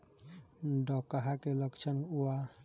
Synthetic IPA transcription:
ndɔkaɦakelɔkt͡ʃʰanuwa

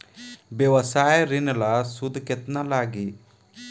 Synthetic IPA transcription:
bɛʋɐsaːjɐɾinɐlɐsud̪ket̪nɐlaːɡi

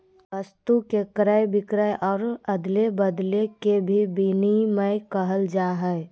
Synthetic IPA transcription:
əst̪ukekɾəbɪkɾəjʔɔːɾəd̪lebəd̪lekebʱibiniməɪkəɦəld͡ʒaːɦɛj

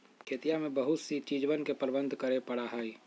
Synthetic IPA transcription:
kʰeːt̪ijamẽbəɦʊt̪sit͡ʃiːd͡ʒʋənkepəɾbə̃nd̪ʱkəɾepɐɽaɦaːi

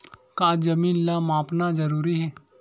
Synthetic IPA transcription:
kaːd͡ʒɐmiːnlaːmaːpnazɐɾuːɾiɦɛː

